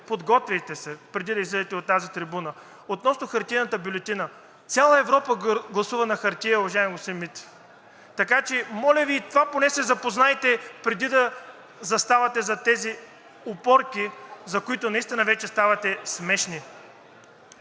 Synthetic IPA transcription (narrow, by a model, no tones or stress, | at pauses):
pod̪ɡɔt̪vijt̪ɛsɛpɾɛd̪id̪ɐizlɛd̪ɛt̪ɛot̪ːazit̪ɾibunə | ot̪nɔsnoxɐɾt̪ijnət̪əbjulʲɛt̪inə | t̪sʲalˠəɛvɾɔpəɡlˠɐsuvɐnɐxɐɾt̪ʲijəʊvɐʒaɪmɡosɛmit̪ | t̪ɐkat͡ʃɛmɔlʲɐviːt̪ovaponɛsɛzɐpoznajt̪ɛpɾɛd̪id̪ɐ | zɐst̪avɐt̪ɛzɐt̪ɛzi | opɔɾkizɐkoit̪ʊnɐist̪inəvɛt͡ʃɛst̪avɐt̪ɛsmɛʃni